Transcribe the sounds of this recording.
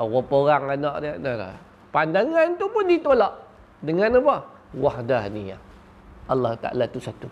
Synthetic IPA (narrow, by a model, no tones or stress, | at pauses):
wɔpoɾaŋanɔʔdiaʔnada̰ | pandaŋant̪upʊndit̪olɔʔ | dəŋanapɔ | wahdania̰ | ʔalːaht̪a̰ʔa̰lat̪usat̪u